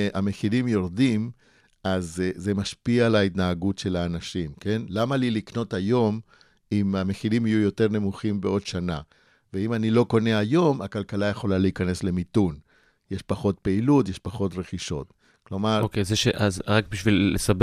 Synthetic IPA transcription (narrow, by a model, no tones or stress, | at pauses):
ameχilimjo̞ʁdim | azze̞maʃpialaitnaaɡutʃe̞laːnaʃimke̞nlamalilikno̞tajo̞m | imameχilimijujo̞te̞ʁne̞muχimbeo̞dʃana | veimanilo̞ko̞ne̞ajo̞makalkalajaχo̞laliikane̞sle̞mitun | jeʃpaχo̞tpe̞ilutje̞ʃpaχo̞t̬ʁeχiʃo̞̰t | klo̞maʁokezeʃeʔazʁak̚biʃvilːesab